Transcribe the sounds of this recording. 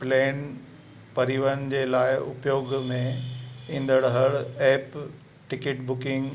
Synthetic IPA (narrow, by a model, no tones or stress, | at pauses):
pleːn | pɐɾiːʋənd͡ʑeːlaːɪʊpjoːɡmẽĩːn̆d̪əɽɦəɽeːp | ʈɪkeːʈbʊkɪ̃ŋɡ